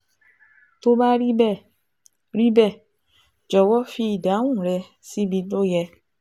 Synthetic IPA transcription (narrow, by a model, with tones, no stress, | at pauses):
to˧ba˦ɾi˦bɛ˦˨ | ɾi˦bɛ˦˨ | d͡ʒɔ˨wɔ˦fi˧i˨da˨˦w̃ũ˦˨ɾɛ˧ | si˦bi˧do˦jɛ˧